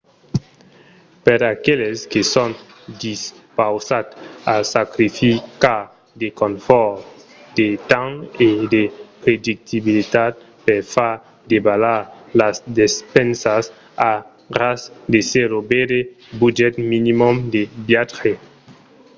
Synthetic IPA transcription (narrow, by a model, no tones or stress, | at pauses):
peɾakeleskeson | d̪is | pawsat̪asakɾifikaɾ | d̪ekõɱfɔɾ | d̪̥et̪ãŋed̪epɾed̪ik̚t̪ibilit̪at̪̚ | peɾfaɾ | d̪ebalaɾlasd̪espɛnsas | a | rasd̪eseɾobede | bud͡ʒɛt̪minimomd̪ebjae